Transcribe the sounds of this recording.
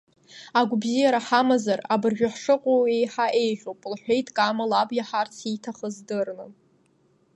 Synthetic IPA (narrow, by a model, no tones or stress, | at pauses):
aɡʷbzijaɾaħamazarabɨrʒᶣaħʂɨqʷʼoe̞jħaʔe̞jʒʲʷᶣowpʼlħʷᶣejtʼkʼamalabjaħart͡sʰitʰaχəzdɨrnɨ